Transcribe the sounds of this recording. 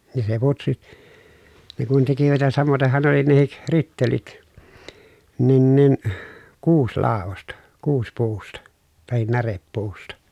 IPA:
ni se putsi ne kun tekiʋæt jɑ sɑmotehˑɑn ne oli nehik ritːelit nin nin kuːslɑˑoʋostɑ kuːspuːstɑ tɑhin nærepːuːstɑ

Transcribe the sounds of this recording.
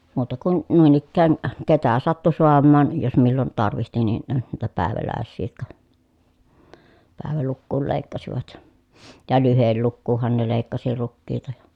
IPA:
muːtɑ kun nuˑin ikːæːn ketæ sɑtːu soɑmːɑːn jos milːon tɑrʋihti nin niːtæ pæˑeʋælæˑesːiː jotkɑ pæˑeʋælukːuːl leˑikːɑsiʋɑt jɑ lyhelːukːuːhːɑn ne leˑikːɑsi rukːiːtɑ jɑ

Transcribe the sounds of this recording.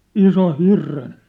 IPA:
isoh̆ hirːen

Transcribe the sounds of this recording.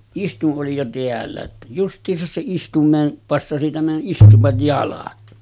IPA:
istuʔ ʔoli jo teælːæ tːæ justˑiːsɑs se istumˑeːn pɑsːɑsi tæmæn ʔistuʋɑj jɑlɑt

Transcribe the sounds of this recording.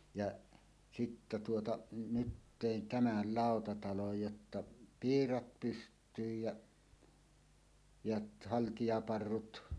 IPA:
jɑʔ sitːæ tuotɑ nyt teˑin tæmæl lɑˑotɑtɑloj jotːɑ piːrɑt pystˑyːj jɑ jɑt hɑltijɑpɑrːut

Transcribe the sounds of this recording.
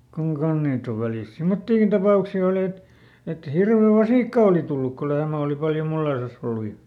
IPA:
kuŋ kɑn̞h niːt oʋ ʋæliˑst simːotːiːkin tɑpɑˑuksi oli et et hirʋe ʋɑsiˑkːɑ oˑli tulːuk ko lehmæ oˑli pɑljo mulːeĭsɑs olːu jɑ

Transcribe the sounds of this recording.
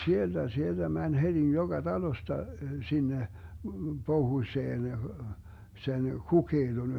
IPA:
sield̥æ sield̥æ mænʲ hed̥i joɡ̊ɑ d̥ɑlostɑ sinːe pohuĭseːn sen kukeid̥on

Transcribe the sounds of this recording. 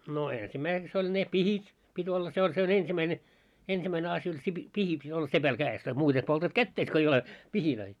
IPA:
no eːnsimæiseks olʲ ne pihit pitʲ olːɑ se olʲ se on ensimæine ensimæine ɑsj olʲ se pi pihi pitʲ olːɑ sepæl kæːes tɑi muːte poltɑt kætːeis ko ei ole pihiløi

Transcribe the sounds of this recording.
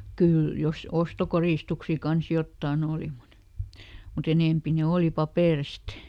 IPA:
kyˑl jos ostokoriˑstuksi kɑns jotːɑˑn oˑli mut mut eneˑmpi ne oˑli pɑpeˑrist

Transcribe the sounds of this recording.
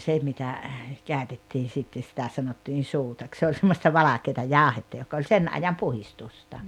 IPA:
se mitæ kæˑøtetːiːn̞ sitːe sĭtæ sɑnotːiːn̞ suːtɑk se olʲ semːostɑ ʋɑlɑkeːtɑ jɑˑohetːɑ jok olʲ sen ɑjɑm puhistustɑ

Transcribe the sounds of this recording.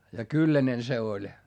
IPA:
jɑ kylːænen se olʲ

